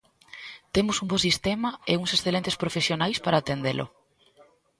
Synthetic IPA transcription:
t̪emʊsumbosist̪emɐeuŋsesθelent̪espɾofesjonajspaɾaːt̪end̪elʔʊ̰

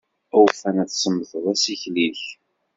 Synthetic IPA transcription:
ʊwfænæθsəmːəθəðæsiçliç

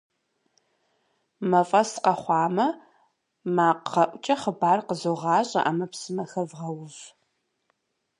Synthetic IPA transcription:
mɐfʼɐsqɐχʷɑːmɐ | maːqɐʔʷʊt͡ʃʼɐχəbaːrqəzoʁɑːɕʼɐ̰ʔamɐpsɨmɐxɐvʁɐwʒ

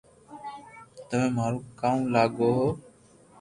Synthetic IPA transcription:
t̪əʋẽːmaːɾuːkaːũːlaːɠoː

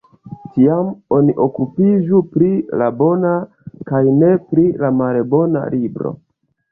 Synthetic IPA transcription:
tiamo̞niʔo̞kupiʒupɾilabo̞na | kajne̞pɾilamalebo̞na̰libɾo̞̰

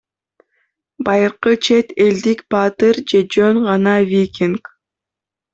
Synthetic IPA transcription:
bɑjɯɾqɯt͡ʃʰe̞t̪e̞ld̪ikb̥ɑt̪ɨɾd͡ʒe̞d͡ʒøŋʁɑnɑvʲikʲiŋk

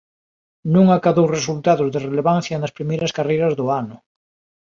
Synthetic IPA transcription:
nũŋakaðowresult̪aðʊzðereleβan̟θjanɐspɾimejɾɐskarejɾɐzðʊanʊ

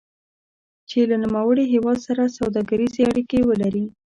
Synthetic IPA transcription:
t͡ʃelanumawəɽiɦewɑd̪saɾasawd̪ɑɡəɾizeaɽikewəlaɾi

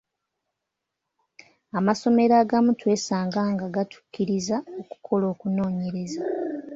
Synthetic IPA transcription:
amaso̞me̞ɾaːɡamutwe̞ːsaːŋɡaːŋɡaɡatʰu̥kːiɾizao̞ku̥kʰo̞lo̞ːkuno̞ːɲe̞ɾe̞za

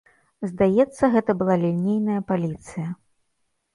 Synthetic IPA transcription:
zd̪ajɛt̪sːɐɣɛt̪ɐbɨlˠalʲilʲnʲejnɐjɐpalʲit̪sɨjɐ

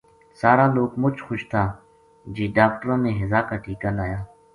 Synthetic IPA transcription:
saːɾãːloːkmʊt͡ʃxʊʃt̪ʰaː | d͡ʒiːɖaːk̚ʈəɾõːmẽːɦɪzaːkaʈʰiːkaːlaːjaː

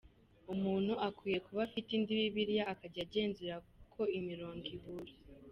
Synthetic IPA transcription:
umuːn̤̥huakwiːje̞kuβafitindiβiβiɾjaːkaɟaɟe̞ːnziɾakukʰo̞imiɾo̞ːŋɡiβuɾi

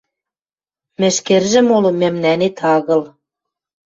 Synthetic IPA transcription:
mɘ̆ʃkĕrʒɘ̆molɤ̆mæ̆mnænet̪ʰɑɣɤ̆l

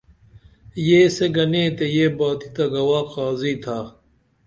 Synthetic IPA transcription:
jeːseɡɐneːt̪ejeːbaːt̪i̥t̪ɐɡɐwaːqaːziːt̪ʰaː

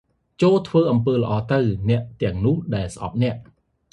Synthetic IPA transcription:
t͡ɕoːlt̪ʰʋəːʔɑmpəːlə̆ʔɑːt̪ɨwnɛ̆əʔt̪ɛ̆əŋnʊ̆əhɗaɛlsəʔɑ̰p̚nɛ̆əʔ

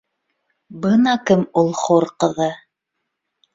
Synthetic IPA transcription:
bɤnɑkɘmulˠχoɾqɤ̆ðɤ

